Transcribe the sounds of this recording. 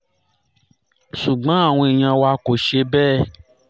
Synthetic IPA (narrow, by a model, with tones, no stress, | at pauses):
ʃu˨ɡ͡bã˨˦a˦˨w̃ɔ̃˧i˨j̃ã˧wa˧˦ko˨ʃe˧bɛː˦˨